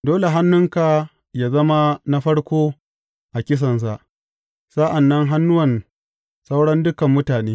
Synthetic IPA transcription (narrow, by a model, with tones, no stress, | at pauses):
doː˦le˨ɦa˦nːʊ˦ŋka˨ | jaː˦zɐ˦ma˦na˦ɸɐ˦ɽkʷoː˦ | ʔa˨kʲɪ˦s̬ɐ˨ns̬a˦˨ʔ | sa˦ʔa˨nːɐ˦ŋɦa˦nːʊ˦wɐ˨n | sa˦wɽɐ˦ndʊ˦kɐ˨mːʊ˦taː˨neː˦